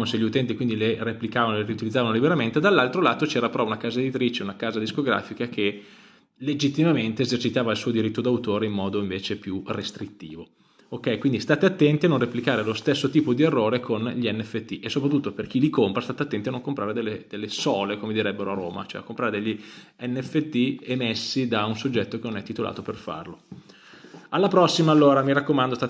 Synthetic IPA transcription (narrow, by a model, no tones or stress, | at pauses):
moseʎːiut̪ɛnt̪̬ikwind̪ilereplikaːvanoleɾiut̪ilid̪zːavanolibeɾament̪ed̪alːalt̪ɾolaːt̪ot͡ʃɛːɾapeɾɔunakaːzaed̪it̪ɾit͡ʃeunakaːzad̪iskoɡɾa̰ːfikak̟e | led͡ʒit̪ːimament̪eezert͡ʃit̪aːvailsuːod̪iɾit̪ːod̪awt̪oːɾeimːɔːd̪oiɱveːt͡ʃepjurest̪ɾit̪ːḭːvo | okːɛjkwind̪ist̪aːt̪eat̪ːɛnt̪ianõnreplikaːɾelost̪esːot̪iːpod̪ierːoːɾekʰonʎiɛnːɛfːet̪ːiʔesːopɾat̪ːut̪ːoperk̟ilikompɾast̪aːt̪eat̪ːɛnt̪ianːoŋkompɾaːɾed̪elːed̪elːesɔːlekomed̪iɾɛbːeɾoaroːma̰t͡ʃoɛ̰a̰kːompɾaːɾed̪eʎːi | ɛnːɛfːet̪ːiemesːid̪aunsod͡ʒːɛt̪ːok̟enːonɛt̪ːit̪ola̰ːt̪operfa̰rlo | alːapɾɔsːimaːlːoːɾamiɾakːomãnd̪ost̪a